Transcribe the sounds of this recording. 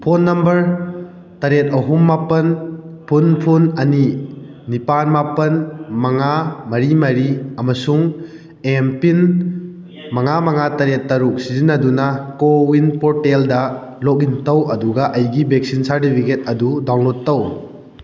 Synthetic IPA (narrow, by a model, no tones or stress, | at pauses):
pʰonːɐmbɐɾ | tɐɾet̚ɐɦumːapɐnpʰunpʰunɐni | nipanmapɐnmɐŋamɐɾimɐɾiɐmɐsuŋ | empin | mɐŋamɐŋatɐɾetːɐɾuk̚sizinːɐdunɐkowinpɔɾteldɐlok̚intɐwɐduɡɐʔɐjɡibek̚sinsaɾtipʰiket̚ɐdudaw̃lotːɐw